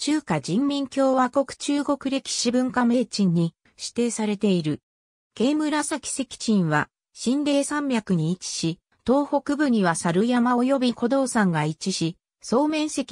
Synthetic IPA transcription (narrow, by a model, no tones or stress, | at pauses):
t͡ɕɨːkad͡ʑĩmːʲĩŋkʲo̞ːβako̞kɯ̟̥t͡ɕɨːɡo̞kɯ̟ɾe̞kʲi̥ɕibɯ̟̃ŋkame̞ːt͡ɕĩɲ̟ːi | ɕi̥t̪e̞ːsaɾe̞t̪e̞iɾɯ̟ | ɡ̥e̞ːmɯ̟ɾasakʲi̥se̞kʲi̥t͡ɕĩɰ̃βa̰ | ɕĩnɾe̞ːsãmbʲakɯ̟ɲ̟iːt͡ɕi̥ɕi | t̪o̞ːho̞kɯ̟bɯ̟ɲ̟iβasaɾɯ̟jamaojo̞bʲikʰo̞d̪o̞ːsãŋɡait͡ɕiɕi | so̞ːmẽ̞ɰ̃se̞kʲi